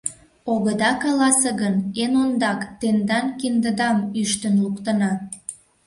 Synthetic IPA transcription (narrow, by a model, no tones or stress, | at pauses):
oɣəd̪ɑkɑlɑsəɣənenond̪ɑkt̪end̪ɑnkind̪əd̪ɑmyʃt̪ənlukt̪ənɑ